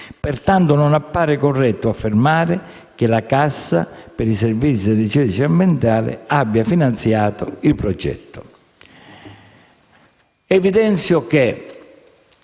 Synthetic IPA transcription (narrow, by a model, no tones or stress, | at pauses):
pɪrt̪ant̪ʊnʊnapːaːɾɪkɔrːɛt̪ːʊafːɪrmaːɾɪ | k̟ɪlakasːa̰pɪɾiservit̪sːid̪et͡ʃɛt͡ʃiambjɛnt̪aːlɪ̰abːjafinant̪sjaːt̪ʊilpɾɔd͡ʒɛ̰t̪ːʊ̥ | ɛvid̪ɛnt̪sjʊk̟e